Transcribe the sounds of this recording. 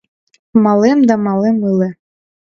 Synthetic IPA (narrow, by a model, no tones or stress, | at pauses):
mɑlemd̪ɑmɑlemɯle